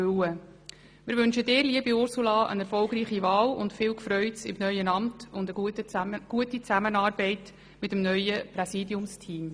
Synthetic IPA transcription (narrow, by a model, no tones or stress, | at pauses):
øwə | mɪːɾʋʏnʃədɪːɾliəbiʊɾsulɑʔə̰nɛɾfɔlɡɾiːχivɑːlʊ̰ntfɪːwkfɾœʏtsɪ̰mnœʏənɑmtʊndə | ɡ̥uətit͡sæmənɑːɾbɛɪt | mɪtəmnœʏəpɾɛsidjʊmstʰiːm